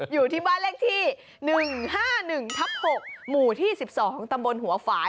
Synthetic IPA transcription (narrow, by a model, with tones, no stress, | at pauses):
juː˨˩t̪ʰiː˥˩baː˥˩nleː˦˥˩k̚t̪ʰiː˥˩ | nɯ˨˩ŋhaː˥˩nɯ˨˩ŋt̪ʰa˦˥p̚ho˨˩k̚muː˨˩t̪ʰiː˥˩si˨˩p̚sɔː˩˦ŋt̪a˧mbo˧nɦu˩˦ɐfaː˦